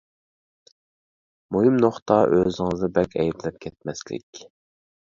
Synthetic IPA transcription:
mojimnoχt̪ɑʔøzɪŋɨzd̪ɑbɛkʲʰɛ̰jblɛp̚kʲʰɛt̪̚mɛslɪ̰kʲ

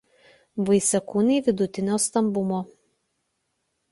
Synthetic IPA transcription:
ʋɐɪsʲɛkuːnʲɛɪʋʲɪd̪ʊt̪ʲɪnʲoːst̪ɐmbʊmoː

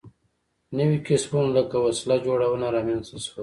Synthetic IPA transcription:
nəwikɪsbunləkawaslad͡ʒoɽawənaɾɑmjɑnst̪aswə

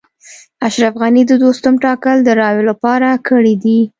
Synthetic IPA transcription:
aʃɾafɣanid̪əd̪ost̪ʊmʈɑkəld̪əɾɑjolapɑɾakəɽid̪i

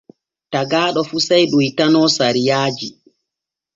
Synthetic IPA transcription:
taɡaːɗɔfusajɗuitanɔːsaɾijaːd͡ʒi

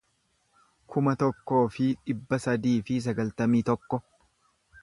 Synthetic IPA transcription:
kʰʊmɐt̪ɔkːo̞ːfɪᶑɪbːɐsɐd̪iːfɪs̬ɐɡɐlt̪ɐmiːt̪ɔkːɔ

